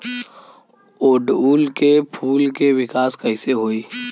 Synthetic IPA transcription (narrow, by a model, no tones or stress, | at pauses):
oːɖuːlkepʰuːlkeʋɪkaːskɐɪseɦoːiː